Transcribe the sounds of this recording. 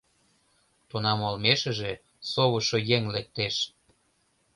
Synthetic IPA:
t̪onɑmolmeʃə̆ʒe | soβəʃojeŋlek̚t̪eʃ

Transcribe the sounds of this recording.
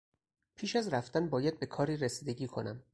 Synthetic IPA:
pʰiːʃæzɾæft̪ænbɒːjæd̪̚be̞kʰɒːɾiːɾesiːd̪e̞ɟiːkʰo̞̰næm

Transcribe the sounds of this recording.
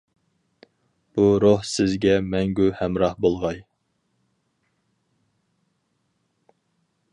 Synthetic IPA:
b̥uɾohsɪzɡʲɛmɛŋɡʲuhɛmɾɑhbolˠʁɑj

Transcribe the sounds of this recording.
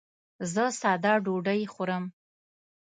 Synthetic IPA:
zəsɑd̪ɑɖoɖəjxoɾəm

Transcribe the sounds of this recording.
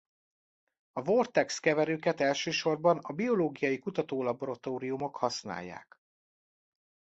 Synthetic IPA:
ɒvort̪ɛkskɛvɛɾøːkɛt̪ɛlʃøːʃo̞rbɒnɒbio̞loːɡijɒjikut̪ɒt̪oːlɒboɾɒt̪oːɾijumo̞khɒsna̰ːjːa̰ːk

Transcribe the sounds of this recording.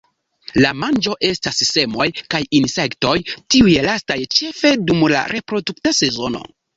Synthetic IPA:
lamand͡ʒo̞ʔe̞stasise̞mo̞jkajinse̞kto̞jtiujelastajt͡ʃe̞fe̞dumla̰ɾʔe̞pɾo̞duktase̞zo̞no̞̰

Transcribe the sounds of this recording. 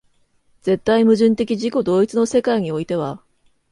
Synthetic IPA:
d͡ze̞t̪ːaimɯ̟ʑɨ̃nt̪e̞kʲiʑiko̞d̪o̞ːit͡sɨno̞se̞kaiɲ̟io̞it̪e̞β̞a

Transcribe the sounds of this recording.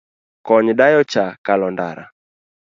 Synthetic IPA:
kɔɲɗajɔt͡ʃakalɔnda̰ɾa̰

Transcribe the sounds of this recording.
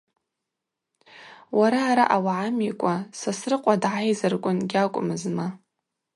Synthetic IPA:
waɾaːɾaʔawaʕamikʷʼasasrɨqʷʼadʕajzɨrkʷʼʊnɡʲakʷʼʊmɨzma

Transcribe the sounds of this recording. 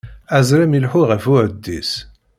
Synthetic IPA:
æzɾæmilħuʁəfʊɾd̪ːis

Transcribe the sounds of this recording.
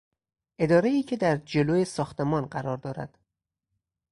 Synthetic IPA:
ʔe̞d̪ɒːɾeiːcʰe̞d̪æɾd͡ʒe̞loːjesɒːxt̪ʰe̞mɒːnɢæɾɒːɾd̪ɒːɾæ̰d̪̥

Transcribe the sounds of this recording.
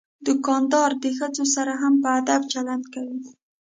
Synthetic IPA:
d̪ʊkɑnd̪ɑɾd̪əxəd͡zosaɾaɦampəad̪ab̚t͡ʃaland̪kawi

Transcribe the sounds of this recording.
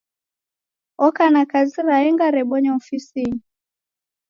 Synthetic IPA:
ɔkanakaziɾaɛŋɡaɾɛɓɔɲɔɔfisini

